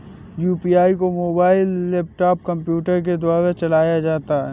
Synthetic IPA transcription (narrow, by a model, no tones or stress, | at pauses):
juːpiaːikomoːbaːɪlːeːp̚ʈaːp̚kɐ̃mpjuːʈəɾk̬ed̪waːɾat͡ʃɐlaːjad͡ʒaːt̪aɦɛː